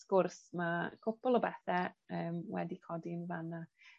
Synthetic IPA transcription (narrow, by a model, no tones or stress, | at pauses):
skʊrsmakʰʊpɔlˠɔbɛθɛəːmwɛ̰dikʰɔdiənvana